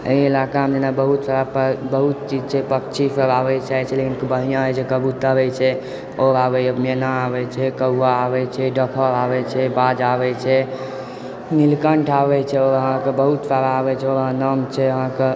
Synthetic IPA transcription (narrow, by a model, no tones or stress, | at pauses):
ḛielakaɦmd͡ʒenabəɦut̪saɾapbəɦut̪̚t͡ʃid͡ʒt͡ʃʰɛpəkt͡ʃʰisəɾaβɛt͡ʃaɦɛt͡ʃʰɛlekinkbəɦijãɦt͡ʃʰekəbut̪əbɛt͡ʃʰɛ | oɾabɛmenaːbɛt͡ʃʰɛkəːaːbɛt͡ʃʰɛɖəkʰəɾabɛt͡ʃʰɛbad͡ʒabɛt͡ʃʰɛ | nilkəɳʈʰabɛt͡ʃʰɛoəɦãkebəɦut̪saɾaːbɛt͡ʃʰɛoəɦãnəmt͡ʃʰɛəɦãke